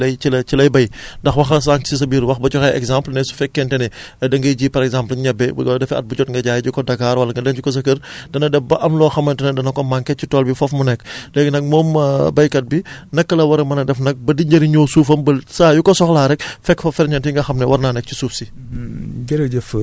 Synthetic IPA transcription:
ɐjilɐt͡ʃilɐjbɐjndɐxwɐxɐs̬aŋsis̬ɐbiːɾwɐxbɐt͡ʃɔxɛjʔɛ̰kzãmplnɛsu̥fɛkːɛntɛnɛ | dɐŋɡɐɟiːpɐɾɛkzamplɲɐbɛbdɛfɐ̰t̚buɟɔtŋɡɐɟaːjiɟukɔdɐkaːɾwɐlɐŋɡɐlɛnt͡ʃukɔs̬ɐkɐrdɐnɐdɛfbɐʔɐmlɔːxɐmːɐntɛnɐdɐnɐkɔmaŋkɛcːitɔːlbifɔfmunɛkːlɛɡnɐk̚mɔːmbɐjkɐt̚binɐkːɐlɐwɐɾɐmɐnɐdɛfnɐk̚bɐdiɲɟɐɾiɲɔːsuːfɐmbɐsaːjukɔsɔxlaːɾɛkfɛkfɐfɛɾɲɐntiŋɡɐxɐmnɛwʔɐɾnaːnɛk̚cisuːfsi | ɡɐɾɐd͡ʒəf

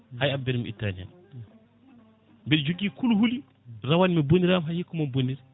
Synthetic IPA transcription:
hajabɛɾmiʔḭtːania̰n | mbɛdd͡ʒoɡiːkʰulɦuli | ɾawanmiboniɾamɦajhikːumamboniɾ

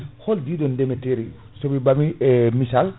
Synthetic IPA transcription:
hɔldidɔndɛmeteɾi | sobibamiɛmisal

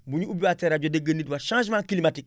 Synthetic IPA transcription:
buɲuubiwatɛɾad͡ʒodeɡənitwaʃãːʒmãːkilimatik̚

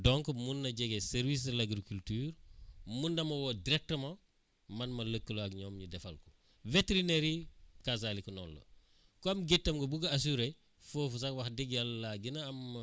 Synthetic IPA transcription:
dɔŋkɔmunːɐɟɛɡesɛɾvis̬ɐlaɡɾikyltyːrmundɐmɐwɔdiɾɛk̚təmɐ | mɐnmɐləkːəloɐkɲɔːmidɛfɐ̰lku | veteɾineɾikasalikɔnɔ̰lːo̰ | kɔɐmɡetːɐmɡɐbuɡɐas̬uɾe | foːfus̬ɐkwɐxdiɡjalːaɡinɐːm

